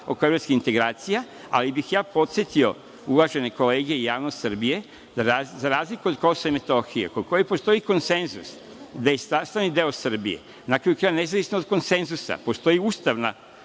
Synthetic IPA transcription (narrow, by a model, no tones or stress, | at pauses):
okoeɾoskixint̪e̞ɡɾaːt̪sija | a̰libixjaːpo̞t̪sje̞t̪io̞ | uʋaʒe̞ne̞ko̞le̞ːɡe̞ijaːʋnost̪sr̩bije̞ | aazaɾaːzlikuo̞d̪ko̞soʋaimet̪o̞xijḛkod̪̚kʰo̞jepo̞st̪o̞iko̞nse̞nzus | d̪ajest̪ast̪aʋnid̪e̞osr̩bijḛ | nakɾajukɾaːjane̞zaʋisnood̪̚ko̞nse̞nzusa̰po̞st̪o̞jiuːst̪aʋna